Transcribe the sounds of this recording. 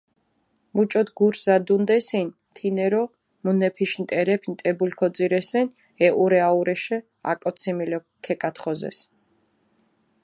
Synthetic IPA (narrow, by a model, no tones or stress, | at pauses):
mut͡ʃʼɔd̪ɡuɾzad̪und̪ɛsin | t̪ʰinɛɾɔ | munɛpʰiʃnt̪ʼɛɾɛpʰnt̪ʼɛbulkʰɔd̪ziɾɛsɛn | ɛʔuɾɛauɾɛʃɛ | a̰kʼɔt̪sʰimilɔ | kʰːɛkʼat̪χɔzɛ̰s